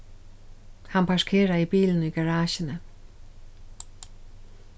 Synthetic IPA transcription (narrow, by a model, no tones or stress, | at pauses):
hanpʰaʂkʰeːɹaibiːln̩iːɡaɹaːʃɪnə